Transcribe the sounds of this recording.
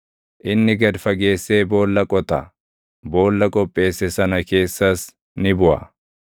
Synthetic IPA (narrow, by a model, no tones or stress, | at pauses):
ʔɪnːɪɡɐd̪fɐɡe̞ːsːe̞ːbo̞ːlːɐkʼɔt̪ɐ | bo̞ːlːɐkʼɔpʼːe̞ːsːɛsɐnɐke̞ːsːɐs | nɪbʊʔɐ̰